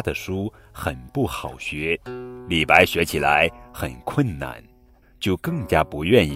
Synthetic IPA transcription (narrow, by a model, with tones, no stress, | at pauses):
d̪ə˨ʂu˥ | xə˨˩npu˥˩xɑ˨˩ʊɕɥɛ˧˥li˨˩pa˧˥ɪɕɥɛ˧˥t͡ɕʰi˨˩la̰˧˥ɪxə̰˨˩nkʰwə˥˩nna̰˧˩˦n | t͡ɕjo˥˧ʊkɤ˥˩ŋt͡ɕja˥pu˧˥ɥɛ˥˧ni˥˩